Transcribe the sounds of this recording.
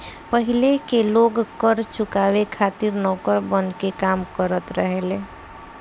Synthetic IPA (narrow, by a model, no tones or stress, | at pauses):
pəɦilekeloːɡkəɾt͡ʃʊkaːwekʰaːt̪iɾnɔːkəɾbənkekaːmkəɾət̪ɾəɦele